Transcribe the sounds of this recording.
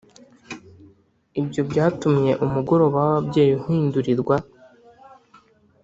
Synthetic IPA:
ibɟo̞bɟaːtumɲe̞ʔumuɡo̞ɾo̞βaβabɟe̞ːjuhiːnduɾiɾɡwa

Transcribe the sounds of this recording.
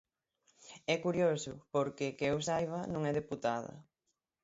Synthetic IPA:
ɛkuɾjosʊpoɾkɪkɪewsajβ̞ɐnõŋɛðeput̪aðɐ̰

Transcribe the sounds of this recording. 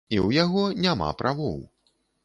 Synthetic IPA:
iwjaɣɔnʲama̰pɾʔavɔ̰w

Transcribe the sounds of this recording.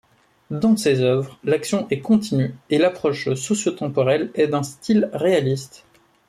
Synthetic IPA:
d̪ɑ̃sezœvʁlaksjɔ̃ʔɛkɔ̃t̪inyelapχɔʃsɔsjot̪ɑ̃pɔʁɛlɛd̪ɛ̃st̪ʰilʁealist̪

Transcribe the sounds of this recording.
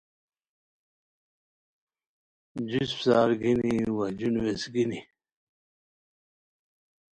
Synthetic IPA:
d͡ʑuspsaːɾɡiniwad͡ʑunwesɡini

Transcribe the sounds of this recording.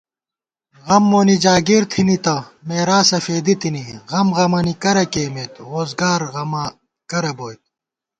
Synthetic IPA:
ɣɐmːoːnid͡ʑaːɡiɾt̪ʰinit̪ɐmeːɾaːsɐfeːd̪it̪iniɣɐmɣɐmɐnikɐɾɐkeːmet̪ɾoːzɡaːɾɣɐmɐ | kɐɾɐboːjt̪̚

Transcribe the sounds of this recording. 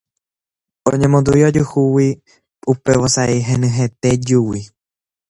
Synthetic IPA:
õ̰ɲẽmõnd̪uiod͡ʒuhuwi | upeʋosaʔeɦẽnɨ̃ɦet̪ed͡ʒuwi

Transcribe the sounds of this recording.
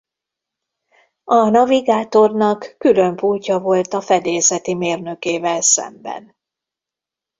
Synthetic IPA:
ɒnɒviɡaːt̪o̞rnɒkːylø̞mpuːlcɒvo̞lt̪ɒfɛd̪eːzɛt̪imeːrnø̞keːvɛlsɛ̰mbɛ̰n

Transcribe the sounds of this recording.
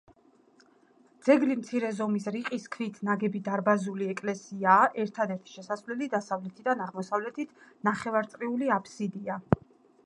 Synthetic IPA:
d̪z̥ɛɡlimt̪sʰiɾɛzɔmisɾiqʼiskʰvit̪ʰnaɡɛbid̪aɾbazuliɛkʼlɛsiaːʔɛɾt̪ʰad̪ɛɾt̪ʰi̥ʃɛsasvlɛlid̪asavlɛt̪ʰid̪anaʁmɔsavlɛt̪ʰit̪ʰnaχɛvaɾt̪sʼɾiuliapʰsid̪ia

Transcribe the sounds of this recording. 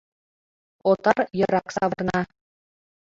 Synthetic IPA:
ot̪ɑrjɤ̆ɾɑksɑʋɤ̆rnɑ

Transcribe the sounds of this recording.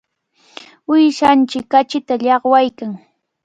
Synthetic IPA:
ʊjʃant͡ʃɪkːat͡ʃɪt̪aʎɑχwajkaŋ

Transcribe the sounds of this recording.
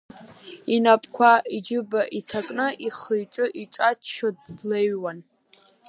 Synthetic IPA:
inapʼkʷʰaʔid͡ʒɨbaʔitʰakʼnɨʔiχəjʈ͡ʂʼɨʔiʈ͡ʂʼat͡ʃʰʃodleɥwan

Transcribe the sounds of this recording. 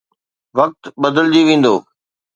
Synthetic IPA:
ʋɐk̚t̪ɓəd̪əld͡ʑiʋẽːn̆d̪oː

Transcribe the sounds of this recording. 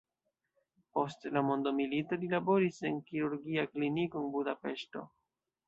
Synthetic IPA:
po̞stlamo̞ndo̞milito̞lilabo̞ɾise̞nkiɾuɾɡiakliniko̞nbudape̞ʃto̞̰

